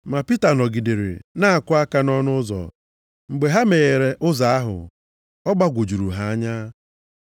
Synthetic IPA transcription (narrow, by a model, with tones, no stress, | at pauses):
ma˨pi˦ta˨nɔ˨ɡi˨de˨ɾɪ̰˨na˦a˨kʊ˦a˦ka˦nɔ˦nʊ˦zɔ̰˨ | ŋ͡m̩˨ɡ͡be˨ɦa˦me˨ɣe˨ɾe˨ʔʊ˦za˨a˦ɦʊ̰˨ | ɔ˦ɡ͡ba˦ɡʷo˨d͡ʒu˨ɾu˨ɦa˨˦a˦ɲa˦